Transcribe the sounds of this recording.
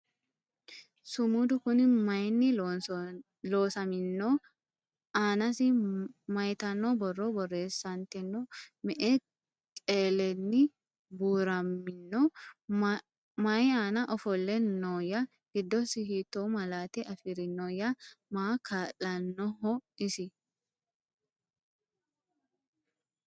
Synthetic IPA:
sʊmud̪ʊkʊnɪmɐjnːɪ | loːsɐmɪnːo | aːnɐsɪmɐjt̪ɐnːɔbɔrːɔbɔrːe̞ːsːɐnt̪ɛnːɔmɛʔɛ | kʼeːlɛnːɪ | buːɾɐmːɪnːɔ | mɐjaːnɐʔɔfɔlːɛnɔːjɐ | ɡ̥ɪd̪ːɔsɪɦɪt̪ːomɐlaːt̪ɛʔɐfɪɾɪnɔːjɐmaːkʰaːlɐnːɔɦɔɪsɪ

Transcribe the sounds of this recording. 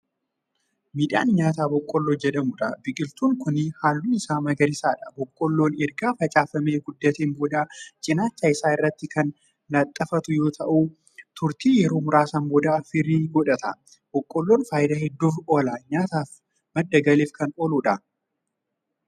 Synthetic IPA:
miːᶑa̰ːnɲaːt̪aːbɔkʼːɔlːoːd͡ʒɛᶑɐmʊᶑɐbɪkʼɪlt̪uːŋkʊnɪhaːlːuːnɪsaːmɐɡɐɾɪsaːᶑɐbɔkʼːɔlːo̞ːnɛɾɡaːfɐt͡ʃʼaːfɐme̞ːɡʊd̪ːɐt̪eːmbɔd̪aːt͡ʃʼɪnaːt͡ʃːaːɪsaːɪrːɐt̪ːɪkɐn | lɐt̪ʼːɐfɐt̪ʊjo̞ːt̪ʰɐʔu | t̪ʰʊɾt̪iːjɛɾo̞ːmʊɾaːsambɔd̪aːfɪɾiːɡɔᶑɐt̪ɐ | b̥ɔkʼːɔlːo̞ːnfaːjɪd̪aːhɛd̪ːuːfo̞ːlaɲaːt̪aːf | mɐd̪ːɐɡɐleːfkɐnoːlʊᶑɐ

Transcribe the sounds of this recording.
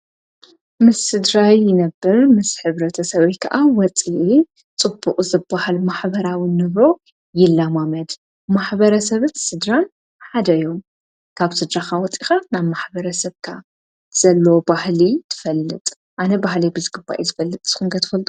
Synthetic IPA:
mɨsːɨd̪ɾajːɪnɐbːɨɾmɨsħɨβɾɐt̪ʰɐsɐβɐjkʰaʔawɔt͡sʼiʔi | t͡sʼɨbːuqʼzɨbːahalmaħbɐɾawɨnːɨβɾo̞ | jɪlːamamɐd̪ | maħbɐɾɐsɐβɨt̪sɨd̪ɾan | ħad̪ɐjom | kʰaβsɨd̪ɾaxawɔt͡sʼixanaβmaħbɐɾɐsɐβkʰa | z̥ɐlːɐobahlit̪ʰɨ̥fɐlːɨt̪ʼ | ʔanɐbahlijbɨzɡɨba̰ʔezɨfɐlːɨt̪ʼz̥ɨxuŋɡʰɐt̪ʰɨ̥fɐlt̪ʼu

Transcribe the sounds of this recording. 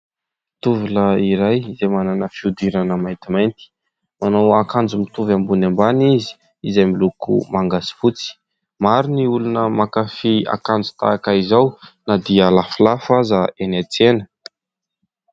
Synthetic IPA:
t̪uvuləiɾajizemananəfiud̪iɾanəmajt̪imajnt̪i̥ | manawakand͡zumit̪uvambunambanizi̥ | izamilukṵmaŋɡasi̥fut͡si̥ | maɾuniulunəmakafia̰kand͡zu̥t̪a̰ːkaizawnad̪ialafilafazaenat͡senə̥

